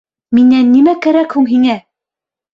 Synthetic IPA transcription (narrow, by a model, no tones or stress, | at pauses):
minːænːimækæɾækhuŋɦiŋæ